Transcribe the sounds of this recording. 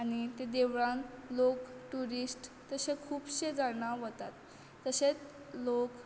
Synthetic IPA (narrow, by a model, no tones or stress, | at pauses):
añit̪ed̪eʋɭãnlokʈuɾisʈt̪əsekʰuːpɕed͡zaɳaʋət̪at̪ː | əset͡s | lok